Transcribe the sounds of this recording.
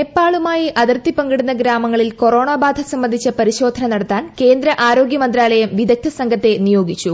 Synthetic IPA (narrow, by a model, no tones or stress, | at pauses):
epːaːɭumaːjiʔɐðɐrt̪ːipɐŋɡɐɽunːɐɡɾaːmɐŋːɐɭilko̞ro̞ːɳaːbaːd̪ʱɐsɐmbɐnd̪ʱit͡ɕːɐpɐɾiɕo̞ːd̪ʱɐnɐnɐɽɐt̪ːaːnke̞ːnd̪ɾɐʔaːɾoːɡjɐmɐnd̪ɾaːɭɐjɐmʋid̪ɐk̚t̪ʰːɐsɐŋɡʱɐt̪ːe̞nijo̞ːɡit͡ɕːu